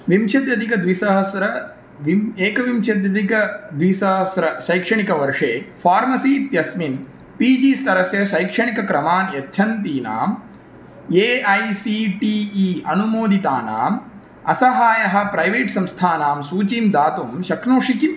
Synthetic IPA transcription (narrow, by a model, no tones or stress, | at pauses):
ʋimʃɐd̪jɐd̪ʱikɐd̪ʋisɐɦɐsɾɐ | ieːkɐʋimʃɐd̪jɐd̪ʱikɐd̪ʋisɐɦɐsɾɐʃɐjkʂɐɳikɐʋɐɾʂeːfʰaːɾmɐsiːt̪jɐsmin | piːd͡ʒiːst̪ɐɾɐsjɐʃɐjkʂɐɳikɐkɾɐmaːnjɐtːʃʰɐnt̪iːna̰ːm | eːɐjsiːʈiːiːɐ̰numoːd̪it̪aːna̰ːm | ɐsɐɦaːjɐɦɐ̆pɾɐjʋeːʈsɐmst̪ʰaːnaːmsuːt͡ʃiːmd̪aːt̪umʃɐkʰnoːʂiki